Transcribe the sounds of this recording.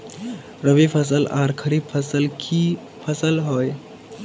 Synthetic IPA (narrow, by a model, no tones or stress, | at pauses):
ɾəbipʰəs̬əlaɾkʰəɾib̚pʰəsəlkʰi | pʰəsəlɦoj